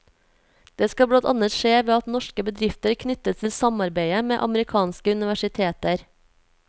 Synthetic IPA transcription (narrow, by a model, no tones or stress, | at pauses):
d̪̥eːskɑbɽɑnt̪ɑ̰nət̪ʃeːʋeːɑt̪nɔʃkəbəd̪ɾɪft̪əɾkʰnʏt̪ət̪t̪ʰɪlsɑmɑɾbeɪəmḛːʔɑ̰məɾɪkʰɑːnskəʉnɪʋæʃɪt̪ʰeːt̪əɾ